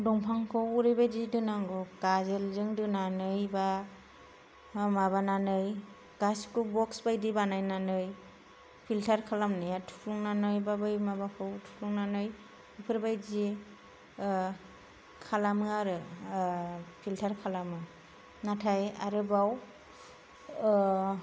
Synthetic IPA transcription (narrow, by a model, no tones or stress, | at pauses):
dɔŋpʰaŋkʰɯwuɾɯjbajzidɯnaŋɡɔkazelzɯŋdɯnanɯjba | maβananɯj | ɡ̥askubɔksbajdibanajnanɯj | pʰiltʰaɾkʰalamnajatʰu̥pʰluŋnanɯjbabɯjmabakʰɯwtʰu̥pʰluŋnanɯj | ɯpʰɯɾbajzi | kʰalamɯaɾɯ | pʰiltʰaɾkʰalamɯ | natʰajaɾɯbaw